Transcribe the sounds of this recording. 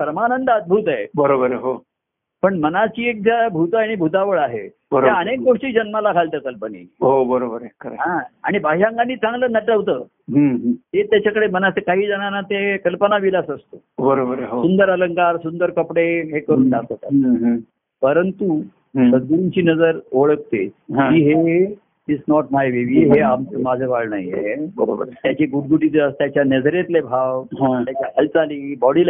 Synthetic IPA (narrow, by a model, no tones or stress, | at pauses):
pɾəmanənd̪əd̪̚bʱuːt̪aebəɾobəɾəɦo | pəɳmənat͡ɕiːek̚d͡ʑabʱut̪aaɽ̃ibʱut̪aʋəɭaɦḛ | bəɾjaənek̚ɡoʂʈiːd͡ʑənmalakʰalt̪əkəlpənḛɦobəɾobəɾekəɾḛɦãa̰ɽ̃ibʱaɕãŋɡanːiːt͡sʰãŋɡləːnəʈəʋt̪əː | ɦəɦɦet̪jat͡ɕakəɽemənasekaɦiːd͡zəɽ̃anat̪ekəlpənaʋilasəst̪o | bəɾobəɾɦsund̪əɾələŋkaɾsund̪əɾkəpɽeɦekəɾuːnnasat̪a | pəɾənt̪u | səd̪̚ɡuɾuɲt͡ɕiːnəd͡zəɾoɭək̚t̪eɦãiːɦe | isnɔʈmajʋeʋiɦeamt͡səmad͡zʱeʋaɭna̰jḛɦebəɾo̰bəɾt̪jat͡ɕeɡuɽ̚ɡuʈid͡zəst̪jat͡ɕjanəd͡zɾjet̪lebʱawɦãt̪jat͡ɕjakəlt͡saliːbɔɽil